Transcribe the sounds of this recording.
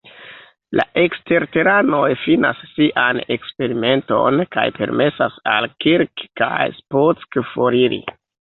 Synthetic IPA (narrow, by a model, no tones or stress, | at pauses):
la̰ʔe̞kste̞ɾte̞ɾano̞jfina̰sːiʔane̞kspe̞ɾime̞nto̞̰nka̰jpe̞̰ɾme̞sasalkiɾkka̰jsposkfo̞ɾiɾḭ